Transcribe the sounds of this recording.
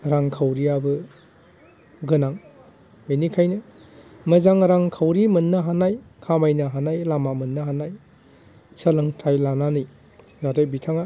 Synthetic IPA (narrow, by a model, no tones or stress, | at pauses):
ɾaŋkʰawɾiabɯ | ɡɯnaŋ | menikʰajnɯmɐzaŋɾaŋkʰawɾimɯnːɯɦanajkʰamajnɯɦanajlamamɯnːɯɦanaj | sɐlɯŋtʰajlananɯj | nadajbitʰaŋa